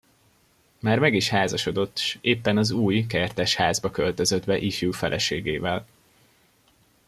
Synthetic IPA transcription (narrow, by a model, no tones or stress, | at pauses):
maːrmɛɡiʃhaːzɒʃo̞d̪o̞t̪ːʃeːpːɛnɒzuːjkɛrt̪ɛʃhaːzbɒkølt̪ø̞zød̪bɛʔifjuːfɛlʔɛ̰ʃeːɡeːvɛl